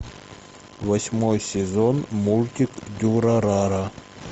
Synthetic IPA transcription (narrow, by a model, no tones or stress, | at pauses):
vɐsʲmojsʲɪzonmulʲt̪ʲɪkd̪ʲuɾɐɾaɾa